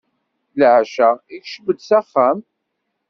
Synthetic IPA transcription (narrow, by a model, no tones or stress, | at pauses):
lʕʃæikʃəbəd̪sæχːæm